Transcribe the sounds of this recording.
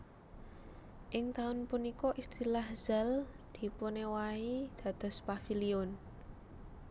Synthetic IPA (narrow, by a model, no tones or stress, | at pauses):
ʔɪŋt̪aʊnpunikɔʔist̪ɾilahz̥al | d̪̥i̤ponewaid̪̥ä̤d̪̥ɔ̤spafiliʊn